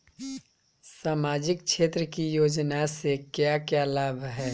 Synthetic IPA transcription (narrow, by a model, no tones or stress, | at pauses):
saːmaːd͡ʒɪk̚ʃeːt̪ɾəkijoːd͡ʒnasekjakjaːlaːbʱɦɛː